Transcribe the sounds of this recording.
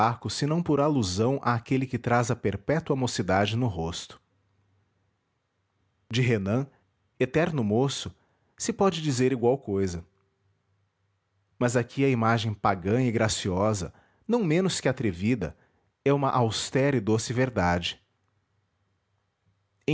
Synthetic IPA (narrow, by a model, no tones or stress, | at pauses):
akʊsɪnɐ̃w̃pʊɾaluzɐ̃w̃ʔaːkelɪkɪt̪ɾazɐpeɾpɛt̪uɐamosid̪ad͡ʒɪnʊɦost̪ʊ̥ | d͡ʒɪɦenɐ̃ | et̪ɛɾnʊmosʊ | sɪpɔd͡ʒɪd͡ʒizeɾiɡwawkojzɐ | mɐzakʰiɐimaʒẽj̃paɡɐ̃ɪɡɾasiɔzɐ̰ | nɐ̃w̃mẽnʊskɪat̪ɾevid̪ɐ̰ | ɛũmɐʔawst̪ɛɾɪd̪osɪveɾd̪ad͡ʒɪ̥ | ẽ